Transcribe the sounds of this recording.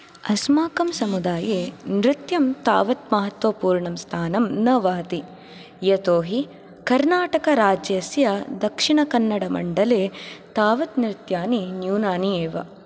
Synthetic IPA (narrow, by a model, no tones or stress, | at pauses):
ɐsmaːkɐmsɐmud̪aːjeːnɾɪt̪jɐmt̪a̰ːʋɐt̪mɐɦɐt̪ʋɐpuːɾɳɐmst̪ʰaːnɐmnɐʋɐɦɐt̪i | jɐt̪oːɦi | kɐɾnaːʈɐkɐɾaːd͡ʒjɐsjɐd̪ɐkʂiɳɐkɐnːɐɽɐmɐ̰ɳɖɐleːt̪aːʋɐt̪nɾɪt̪jaːninjuːnaːnieːʋɐ̰